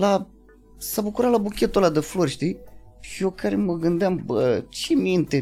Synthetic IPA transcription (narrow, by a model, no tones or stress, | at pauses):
la | sɐbəkuɾalabukʲet̪olad̪əfloɾʃt̪i | jokaɾeməɡɨnd̪ambət͡ʃimint̪e